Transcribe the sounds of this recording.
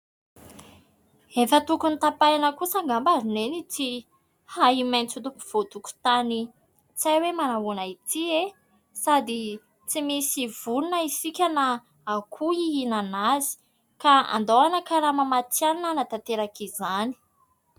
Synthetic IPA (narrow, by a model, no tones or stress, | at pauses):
efət̪ukunit̪apajanəkusaŋɡambazunenit͡si | haimajnt͡sut̪upuv̥ot̪uku̥t̪ani | t͡sajwemanaɦunait̪ie | sad̪i | t͡simisiv̥ulunəisikʲana | akʰuiinanazi̥ | kaa̰nd̪oanəkaɾamamat͡sianinanat̪at̪eɾakizani̥